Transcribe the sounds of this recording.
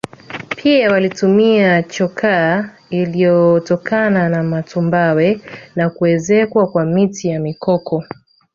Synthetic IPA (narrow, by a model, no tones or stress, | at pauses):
pʰiawalitumiat͡ʃɔkʰa | ilijɔtɔkananamatumbawɛnakuɛzɛkwakwamitʰijamikɔkʰɔ